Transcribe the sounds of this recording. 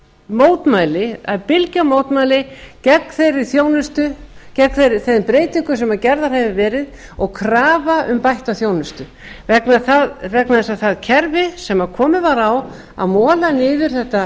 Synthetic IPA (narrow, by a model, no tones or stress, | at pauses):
moːwt̪maːjlɪapɪlcamoːwt̪maːjlɪcɛkːθejɾɪ̥θjoːwnʏst̪ʏcɛkθejɾɪθejðɪpɾeːjt̪ɪŋkʏs̬ɛmaðcɛɾðaɾ̥hɛvɪvɛːɾɪð | ɔɣkʰɾaːvaʔʏmpajht̪aθjoːwnʏst̪ʏ | vɛknaθaðvɛknaðɛsaθaðcʰɛɾvɪsɛmaðkʰɔːmɪvaɾaw | a̰ðmɔːlanɪːðʏɾ̥θɛht̪a